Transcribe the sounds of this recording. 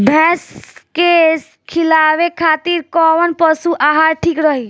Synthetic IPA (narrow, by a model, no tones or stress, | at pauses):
bʱɛ̃ːskes | kʰilaːʋekʰaːt̪iːɾkɔːʋənpəsuʔaːɦaːɾʈʰiːkɾəɦi